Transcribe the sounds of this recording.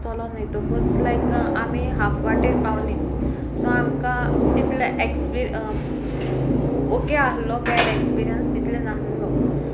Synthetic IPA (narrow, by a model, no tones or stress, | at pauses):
t͡sɔlɔmet̪oməd͡zlajkamiɦapʰʋaʈeɾpaʋni | sɔamkat̪it̪leʔekspiɾ | okeaɦlɔpɛɾekspiɾijənst̪it̪lenaɦunɡɔ